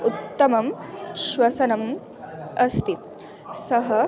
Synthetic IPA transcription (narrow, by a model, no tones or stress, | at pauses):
ut̪ːɐmɐmʃʋɐsɐnɐm | ɐst̪i | sɐɦɐ